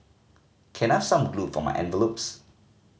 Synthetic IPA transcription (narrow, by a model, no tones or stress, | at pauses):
kʰɛ̃naɪv̥sãmɡlupfɔma̰ɪʔɛ̰̃nvəlops